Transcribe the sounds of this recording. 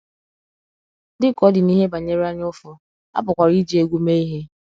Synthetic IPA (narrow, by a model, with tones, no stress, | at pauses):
dɪ˦kɔ˨˦dɪ˨ni˦ɦe˦ba˨ɲe˦ɾa˦ɲ˦ʊ˦fʊ˨ | a̰˦pʊ˨kʷa˨ɾi˦d͡ʒi˨e˦ɡʷu˦me˦i˦ɦe˦